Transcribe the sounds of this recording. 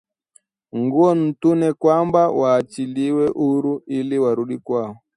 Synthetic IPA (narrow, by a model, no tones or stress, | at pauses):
ŋɡuɔn̩tunɛkwambawaːt͡ʃiliwɛʔuɾuiliwaɾuɗikwaɔ